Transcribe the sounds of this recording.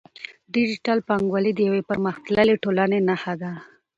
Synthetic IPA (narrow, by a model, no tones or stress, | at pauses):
ɖɪd͡ʒiʈalpaŋɡwalid̪əjawepəɾməxt̪laleʈolanenaxad̪a